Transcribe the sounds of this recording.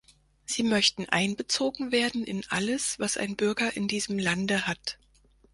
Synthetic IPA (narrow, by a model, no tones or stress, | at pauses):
z̥iːmœçtn̩ʔa̰ɪnbət͡soːɡŋ̩veːɐdn̩ɪnʔa̰ləsv̥asa̰ɪnbʏɐɡɐʔɪndiːzəmlandəhat